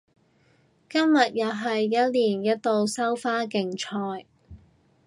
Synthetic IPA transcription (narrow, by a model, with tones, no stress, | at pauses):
kɐ˥mjɐ˨t̚jɐ˨˧wɦɐ˨jːɐ˥t̚liː˨˩njɐ˥t̚t̪o˨˧wsɐ˥wfaː˥kɪ˨˩ŋt͡ʃʰɔː˧j